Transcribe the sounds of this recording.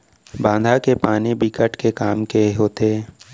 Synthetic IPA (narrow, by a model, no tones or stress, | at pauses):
bãːnd̪ʱakepaːnibʱikəʈkekaːmkeɦoːt̪eː